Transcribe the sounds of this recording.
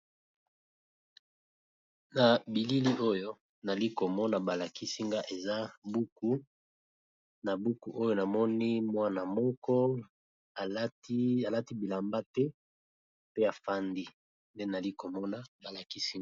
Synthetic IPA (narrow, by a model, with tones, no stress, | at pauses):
na˨bi˨li˦li˦ʔo˦jo˦ | na˨li˦ko˨mɔ˦na˨ba˨la˨ki˦si˦ŋɡa˦ʔe˨za˦bu˦ku˦ | na˨bu˦ku˨ʔo˦jo˦na˨mɔ˦ni˦mwa˦na˨mɔ˦kɔ˦ | a˨˦ta˨la˦ti˦bi˨la˨mba˦tɛ˦ | pe˦a˨fa˦ndi˦ | nde˦na˨li˦ko˨mɔ˦na˦ba˨la˨ki˦si˦ŋ˨